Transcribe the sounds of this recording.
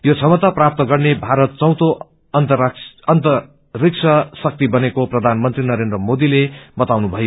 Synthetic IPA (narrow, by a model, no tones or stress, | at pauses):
jot͡sʰʌmʌt̪aprap̚t̪ʌɡʌrnebʱaɾʌt̪̚t͡sʌ̃w̃t̪o | ʌnt̪ʌʌnt̪ʌ | rik̚sʰʌsʌk̚t̪ibʌnekoprʌd̪ʱanmʌnt̪rinʌɾend̪rʌmod̪ilebʌt̪awnubʱʌjo